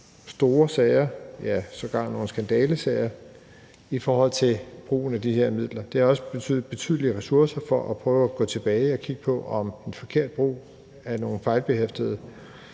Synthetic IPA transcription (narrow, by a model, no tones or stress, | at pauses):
sd̥o̝ːɐsɛɪɐjæsɒ̽ɡ̥ɑ̈ŋ̰nːo̝ːn̩sɡ̥ænd̥ɛːləsɛɪɐ | ifɒːhɒ̽l̰t͡sʰe̝lb̥ʁṵːn̩æd̥iheɐ̰mið̰ˠlɐd̥e̝hɑ̈ɒ̽səb̥e̝t͡sʰy̰ːð̩ˠb̥e̝t͡sʰy̰ðˠliəʁɛsuɐsɐfɒʔæpʰʁœːʊæɡ̥ɔ̰̽ːt͡sʰe̝b̥ɛːɪɒ̽kʰiɡ̥əpʰɒ̽ʔɒ̽me̝nfɒ̽kʰe̝ɐ̰d̥̚b̥ʁṵː | æɐno̝ːn̩fɑ̈ɪlb̥e̝hefd̥əð̞ˠ